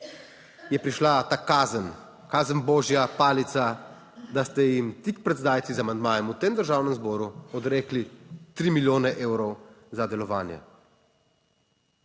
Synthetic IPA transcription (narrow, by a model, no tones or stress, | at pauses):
jɛpɾiʃlat̪aːkazən | kaːzənbɔːʒjapaːlit̪sa | d̪ast̪ɛjimt̪ik̚pɾɛt̪d̪aːjt̪sizamand̪maːjɛmut̪eːmd̪əɾʒaːwnɛmzbɔːɾuɔd̪ɾeːklit̪ɾiːmiljoːnɛʔeːwɾɔw | zad̪ɛlɔʋaːnjɛ̰